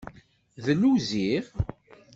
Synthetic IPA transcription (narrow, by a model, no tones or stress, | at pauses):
ðənuziʁ